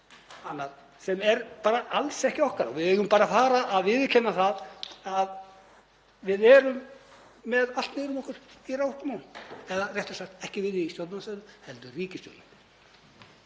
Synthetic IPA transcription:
anːað | sɛmɛɾpaːɾaalsɛhcɪɔhkaɾɔ̰ɣvɪðɛːɣʏmpaːɾafaːɾaʔːðvɪðcʰɛnːaθaðað | vɪðɛɾʏmː | ɛðalt̪neːɾʏmɔhkʏɾ̥irawhk̪amawnɛðarjɛht̪ʏsakt̪ɛhcɪvɪðɪist̪jɔwlnanasaðʏhɛlt̪ʏriːcɪst̪jɔ̰wlʏm

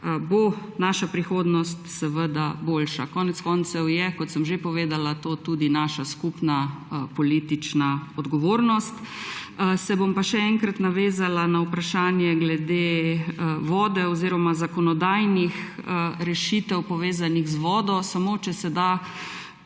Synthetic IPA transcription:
bo | naʃapɾixoːd̪nɔst̪sɛʋəd̪aboːlʃakɔːnɛt̪skɔnt̪sɛwjɛkɔt̪səmʒepɔʋeːd̪alat̪oːt̪ud̪inaːʃaskupnapɔliːt̪it͡ʃnaɔd̪ɡɔʋoːɾnɔst̪ | sɛbompaʃɛɛŋkɾat̪naʋeːzalanaupɾaʃaːnjɛɡlɛd̪eː | ʋɔːd̪ɛɔziɾɔmazakɔnɔd̪ajnixəɾɛʃit̪ɛwpɔʋeːzaniɣzʋɔːd̪ɔsamot͡ʃɛsɛd̪a

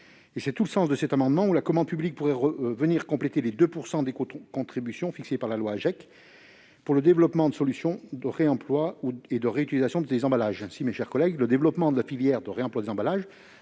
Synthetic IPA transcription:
esɛt̪uləsɑ̃sd̪əsɛt̪amɑ̃d̪mɑ̃ulakɔmɑ̃d̪̚pyblik̚puʁɛʁəvəniʁkɔ̃plet̪eled̪øpuʁsɑ̃d̪ekokɔ̃t̪χibysjɔ̃fiksepaʁlalwaʒɛk | puʁləd̪evlɔpmɑ̃d̪əsɔlysjɔ̃d̪əʁeɑ̃plwaued̪əʁeyt̪ilizasjɔ̃d̪ezɑ̃balaʒsimeʃɛʁkɔlɛɡləd̪evlɔpmɑ̃d̪əlafiljɛʁd̪əʁeɑ̃plwad̪ezɑ̃balaʒ

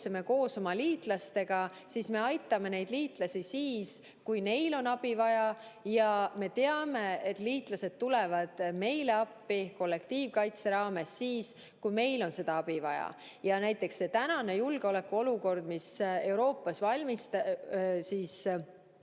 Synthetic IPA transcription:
seme̞ko̞ːso̞mɑliːt̪ˑlɑst̪e̞ɡ̥ɑ | sisme̞ɑjt̪ːˑɑme̞ne̞jd̪̥liːt̪ˑlɑsʲisiːs | kujne̞jlo̞nɑb̥ivɑjɑjɑme̞t̪e̞ɑme̞et̪ˑliːt̪ˑlɑse̞d̪̥̚t̪ːule̞vɑd̪̥me̞jle̞ɑpːiko̞lːe̞kt̪iːvkɑjt̪se̞ɾɑːme̞sːiːs | kujme̞jlo̞nse̞d̪̥ɑɑb̥ivɑ̰jɑ̰ | jɑnæjt̪ˑːe̞ksːe̞t̪ænɑne̞julɡ̥eo̞le̞kːuo̞luko̞rd̪̥mise̞wɾo̞ːpːˑɑsvɑlʲmist̪ɑsiːs

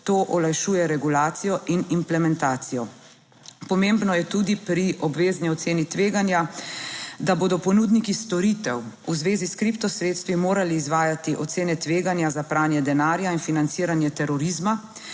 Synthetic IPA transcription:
t̪oːʔɔlajʃuːjɛɾɛɡulaːt̪sijɔʔinimplɛmɛnt̪aːt̪sijɔ | pɔmembnɔjɛt̪uːd̪ipɾiʔɔbʋeːzniɔt̪seːnit̪ʋeːɡanja | d̪aboːd̪ɔpɔnud̪nikist̪ɔɾit̪ɛw | uzʋeːziskɾipt̪ɔsɾeːt̪st̪ʋimoːɾaliːzʋaːjat̪iʔɔt̪seːnɛt̪ʋeːɡanjazapɾaːnjɛd̪ɛnaːɾjainfinant̪siːɾanjɛt̪ɛɾɔɾizma

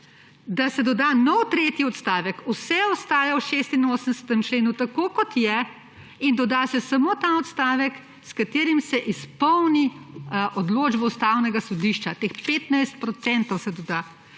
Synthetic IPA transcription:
d̪asɛd̪ɔd̪aːnɔwt̪ɾeːt̪jiɔt̪st̪aːʋɛkusɛɔst̪aːjawʃeːst̪inoːsənd̪ɛsə̥t̪əmt͡ʃleːnut̪akoːkɔt̪jɛ | ind̪ɔd̪aːsɛsamoːt̪aɔt̪st̪aːʋɛk | skat̪eːɾimsɛʔispɔwniʔɔd̪loːd͡ʒbɔust̪awnɛɡasɔd̪iʃt͡ʃat̪eːxpeːt̪najst̪̚pɾɔt̪sɛnt̪ɔwsɛd̪ɔd̪aː

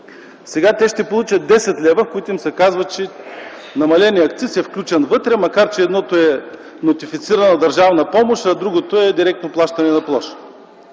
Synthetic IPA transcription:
sɛɡat̪ɛʃt̪ɛpolˠut͡ʃɐt̪̚d̪ɛsɛt̪lʲɛvəfkoit̪ʊimsɛkazvɐt͡ʃɛ | nɐmɐlɛniɐkt̪sisɛfklʲut͡ʃɛnvɤt̪ɾɛmɐkaɾt͡ʃɛːd̪nɔt̪oɛ | not̪ifit̪siɾɐnɐd̪ɐɾʒavnɐpɔmoʃɐd̪ɾuɡot̪oɛd̪iɾɛk̚t̪noplˠaʃt̪ɐnɛnɐplˠɔʃə̥

